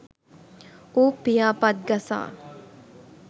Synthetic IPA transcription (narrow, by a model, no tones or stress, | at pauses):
upijaːpat̪̚ɡɐsa̰ː